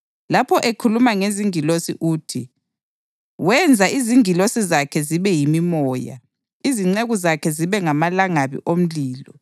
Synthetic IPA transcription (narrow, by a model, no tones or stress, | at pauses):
lapʰɔʔekʰulumaŋeziŋilosḭʔuːtʰi | wɛnd͡zʱaʔiziŋilosizakʰɛziβɛjimimɔːja̰ | iziŋ͡ǀeɣuzakʰɛziβɛŋamalaŋaβḭʔom̩liːlɔ